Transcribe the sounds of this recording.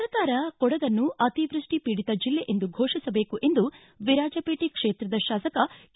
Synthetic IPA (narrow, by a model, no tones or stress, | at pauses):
ɾɐk̪aːɾɐkɔɽɐd̪ɐnːuʔɐt̪iʋɾuʂʈipiːɽit̪ɐd͡ʒilːeʔend̪uɡʱoːʂisɐbe̞ːkuʔe̞nd̪u | ʋiɾaːd͡ʒɐpeːʈikʂeːt̪ɾɐd̪ɐʃaːsɐkɐ